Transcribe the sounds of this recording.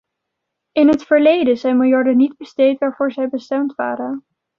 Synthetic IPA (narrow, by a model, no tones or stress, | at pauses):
ɪnɦətfəɹlejdəzɛjnmɪlˠjɑɹdənidbəstejtʋaːɹvʊːɹzɛjbəstɛmtʋa̰ːɾən